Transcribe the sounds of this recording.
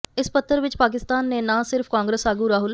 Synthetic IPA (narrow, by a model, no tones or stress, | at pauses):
ɪspət̪ʰːəɾʋɪt͡ʃpaːk̬ɪst̪aːnːẽːnãːsɪɾpʰkãːŋɡɾəsaːɡuːɾaːɦʊl